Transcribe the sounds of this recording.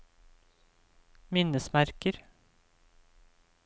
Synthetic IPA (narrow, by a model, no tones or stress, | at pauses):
mɪnəsmæɾkəɾ